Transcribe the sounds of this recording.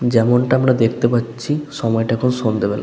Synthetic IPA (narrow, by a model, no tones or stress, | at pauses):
d͡ʑɛmoɳʈaamɾad̪ek̚ʰt̪epatːɕʰiʃɔmɔeʈaɛkʰonoʃond̪ebela̰